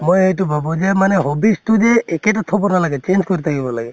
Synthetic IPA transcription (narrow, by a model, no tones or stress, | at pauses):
mojejtubʱabɔd͡ʒemanɛɦobistud͡ʒeːkeʈat̪ʰɔbɔnalaɡɛt͡ʃend͡ʒkɔɾit̪ʰakibɔlaɡɛ